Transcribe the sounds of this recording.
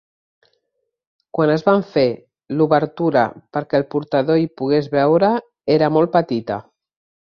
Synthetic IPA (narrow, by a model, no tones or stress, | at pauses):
kwanəzβaɱfe | luβəɾt̪uɾə̰pəɾkɛːlˠpuɾt̪əðoipuɣezβɛwɾə | eɾəmɔl̚ˠpət̪it̪ə̰